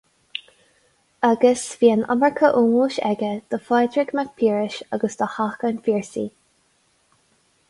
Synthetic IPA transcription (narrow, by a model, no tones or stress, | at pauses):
aɡəsviːəna̰məɹkʰəʔuːmuːʃɛ̰ɡəd̪̥əfajd̪ɹɪɡmak̚pʰiːɹɪʃaɡəsd̪̥əhakənfiːɹsḭː